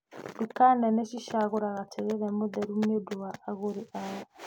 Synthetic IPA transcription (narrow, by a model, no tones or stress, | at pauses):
dukanɛneʃiʃaɣoɾaɣatʰɛɣeɾɛmodɛɾumieduwaʔːɣoɾiʔaja